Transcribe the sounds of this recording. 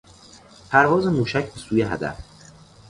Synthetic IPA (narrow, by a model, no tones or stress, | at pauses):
pʰæɾvɒːze̞muːʃæcʰbe̞suːjeɦæ̰d̪æ̰f